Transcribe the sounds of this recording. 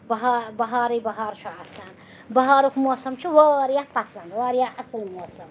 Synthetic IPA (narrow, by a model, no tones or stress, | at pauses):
bɐɦabɐɦaːɾibɐɦaːɾt͡ʃʰuasɐn | bɐɦaːɾukʰmoːsɐmt͡ʃʰuwaːɾjahpɐsɐnd̪waːɾjaɐsɨlmoːsɐm